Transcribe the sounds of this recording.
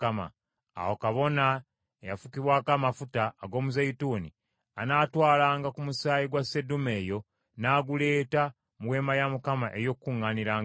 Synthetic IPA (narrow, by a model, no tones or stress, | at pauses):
ama̰ | a̰wokaβo̞na | ejafukiβwaːkamafutaːɡo̞ːmuzajituːnḭ | anaːtwaːlaːŋɡakumusaːjiɡwasedume̞ːjo̞ | naːɡule̞ːta | muwe̞ːmajamukamaʔe̞jo̞kkːuŋːaːniɾaːŋ